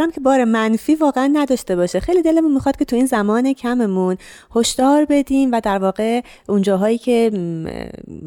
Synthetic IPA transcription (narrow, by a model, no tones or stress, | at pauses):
ɾæmkʰe̞bɒːɾemænfiːvɒːɣeænːæd̪ɒːʃt̪e̞bɒːʃexe̞jliːd̪elemunmixɒːd̪̥̚cʰe̞t̪ʰuiːnzæmɒːne̞cʰæme̞mun | ho̞ʃd̪̥ɒːɾbe̞d̪iːmvæd̪æɾvɒːɣe̞ | ʔund͡ʒɒːɦɒːjiːcʰe̞